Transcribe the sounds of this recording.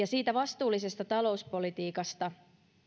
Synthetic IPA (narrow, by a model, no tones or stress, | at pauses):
ɑsiːt̪æʋɑst̪uːlise̞st̪ɑt̪ɑlo̞uspo̞lit̪iːkɑst̪ɑ